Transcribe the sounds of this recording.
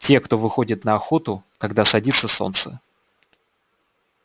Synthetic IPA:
tʲe̞kt̪o̞vɨxo̞dʲɪt̪nəɐxo̞t̪ʊkɐɡd̪asɐdʲit̪sːəso̰nt̪sə̰

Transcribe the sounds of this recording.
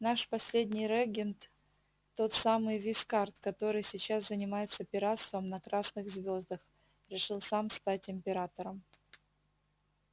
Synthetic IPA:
naʂpɐsʲlʲedʲnʲɪjɾɛɡʲɪnt̪ | t̪ːo̞t̪samɨjvʲɪskart̪kɐt̪o̞ɾɨjsʲɪt͡ɕaszənʲɪmajɪt̪səpʲɪɾat̪st̪vəmnɐkɾasnɨxzvʲo̞zd̪əx | ɾʲɪʂɨlˠsamst̪atʲɪmʲpʲɪɾat̪əɾəm

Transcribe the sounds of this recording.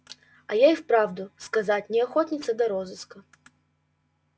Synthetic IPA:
ɐjajifpɾavd̪ʊskɐzatʲnʲɛaxɔtʲnʲɪt̪sɐd̪ɐɾɔzɨskɐ

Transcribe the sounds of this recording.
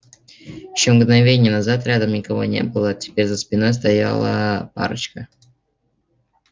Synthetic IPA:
jɪɕːomɡnɐvʲenʲɪjənɐzat̪ɾʲad̪əmnʲɪkɐvo̞̰nʲe̞̰bɨlˠətʲɪ̥pʲeɾʲzəspʲɪno̞js̬t̪ɐja̰lˠə̰pa̰ɾət͡ɕkə

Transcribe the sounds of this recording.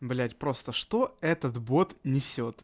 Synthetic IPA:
blʲætʲpɾo̞st̪əʂt̪oɛt̪ət̪bot̪nʲɪsʲot̪

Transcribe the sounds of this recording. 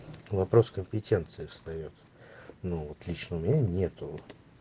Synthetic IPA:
vɐpɾo̞skəmʲpʲɪtʲe̞nt̪sɨɪfst̪ɐjot̪ | novot̪lʲit͡ɕnəʊmʲɪnʲanʲe̞t̪ʊ

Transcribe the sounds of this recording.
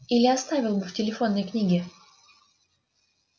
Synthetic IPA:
ilʲɪɐst̪avʲɪlˠbɨftʲɪlʲɪfo̞nːəjknʲiɡʲɪ

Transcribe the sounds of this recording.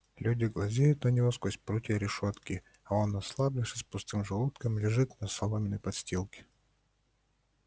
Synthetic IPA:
lʲudʲɪɡlˠɐzʲejʊt̪nənʲɪvo̞skosʲpɾutʲɪəɾʲɪʂot̪kʲɪ | ao̞nɐslˠablʲɪfsʲəspʊst̪ɨmʐɨlˠut̪kəmlʲɪʐɨt̪nəsɐlˠomʲɪnəjpɐt̪sʲtʲilˠkʲɪ̥

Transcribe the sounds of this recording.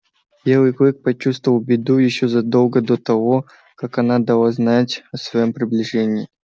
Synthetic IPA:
bʲelˠɨjkʲˠik̚pɐt͡ɕust̪vəvəlˠbʲɪd̪ujɪɕːozɐd̪olˠɡəd̪ot̪ɐvo | kakɐnad̪ɐlˠaznatʲɐsvɐjo̞mpɾʲɪblʲɪʐɛnʲɪː

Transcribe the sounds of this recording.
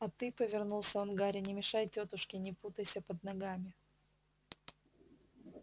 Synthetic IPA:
ɐt̪ɨpəvʲɪrnulˠsʲəvɐnɡaɾʲɪnʲɪmʲɪʂajtʲot̪ʊʂkʲɪnʲɪput̪əjsʲəpəd̪̚nɐɡamʲɪ

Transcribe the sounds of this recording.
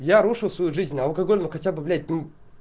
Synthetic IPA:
jaɾuʂɨlˠsvɐjuʐɨzʲnʲɐlˠkɐɡolʲnʊxɐtʲabɨblʲætʲnʲu

